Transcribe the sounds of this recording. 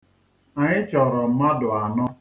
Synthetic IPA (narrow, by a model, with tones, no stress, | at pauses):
a˨ɲɪ˦t͡ʃɔ˨ɾɔ˨m̩˨ma˦dʊ˨a˨nɔ˦